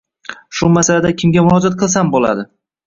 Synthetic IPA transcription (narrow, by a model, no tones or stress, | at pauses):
ʃʊmasalad̪akʲʰɪmɡʲamʊɾɒd͡ʒat̪̚qʰɨlˠsambola̰d̪ɪ